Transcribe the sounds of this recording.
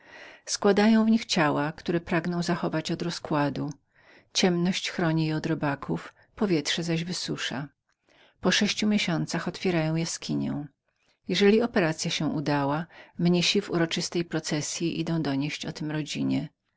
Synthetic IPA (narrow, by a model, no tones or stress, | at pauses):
skwad̪ajɔ̃w̃vɲixt͡ɕawakt̪uɾɛpɾaɡnɔ̃w̃zaxɔvat͡ɕɔd̪ɾɔskwad̪u | t͡ɕɛmnɔɕt͡ɕxɾɔɲijɛɔd̪ɾɔbakʰuf | pɔvʲjɛtʂɛzaʑvɘsuʂa̰ | pɔʂɛɕt͡ɕumʲjeɕɔnt̪saxɔt̪fʲjɛɾajɔ̃w̃jaskʲiɲɛ̰w̃ | jɛʐɛlʲiɔpɛɾat̪sʲjaɕɛ̃ʔud̪awamɲeɕivṵɾɔt͡ʂɘst̪ɛjpɾɔt̪sɛsʲjiʔḭd̪ɔ̃w̃d̪ɔɲeɕt͡ɕɔt̪ɘmɾɔd͡ʑiɲɛ